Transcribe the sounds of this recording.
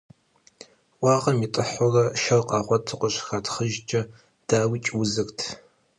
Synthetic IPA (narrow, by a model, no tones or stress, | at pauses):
ʔʷɑːʁɐmitʼɨħʊrɐʃɐrqʼɑːχʷɔtʰɨqʷəɕxatʰχəʒd͡ʒʼɐ | d̥aːwiːt͡ʃʼwʊzɨktʰ